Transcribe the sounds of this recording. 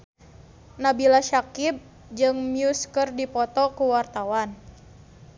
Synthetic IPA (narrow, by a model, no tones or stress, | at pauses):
nabilaʃakib̚ | d͡ʒɨŋmiuskərdipɔt̪ɔkuwart̪awan